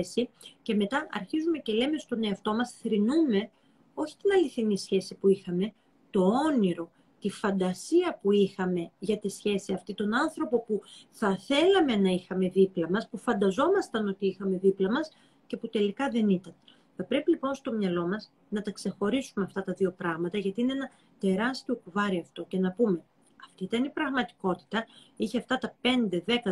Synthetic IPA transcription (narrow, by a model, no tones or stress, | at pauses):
sice̞me̞t̪ɐʔɐ̰ɾçizume̞ce̞le̞me̞st̪o̞neɐft̪o̞mɐsθɾinume̞ | o̞çi̥t̪inɐliθinisçe̞sipuixɐme̞ | t̪o̞o̞niɾo̞ | t̪ifɐnd̪ɐsiɐpuixɐme̞ʝɐt̪isçe̞siɐft̪it̪o̞nɐnθɾo̞po̞puθɐθe̞lɐme̞nɐixɐme̞ðiplɐmɐspufɐnd̪ɐzo̞mɐst̪ɐno̞t̪iixɐme̞ðiplɐmɐs | ce̞put̪e̞likɐðe̞nit̪ɐn | θɐpɾe̞pilipo̞nst̪o̞mɲɐlo̞mɐs | nɐt̪ɐkse̞xo̞ɾisumeɐft̪ɐt̪ɐðio̞pɾɐɣmɐt̪ɐʝɐt̪iineenɐ | t̪e̞ɾɐst̪io̞kuvɐɾiɐft̪o̞ce̞nɐpume̞ | ɐft̪it̪ɐnipɾɐɣmɐt̪i̥ko̞t̪i̥t̪ɐ | içeɐft̪ɐt̪ɐpe̞nd̪e̞ðe̞kɐ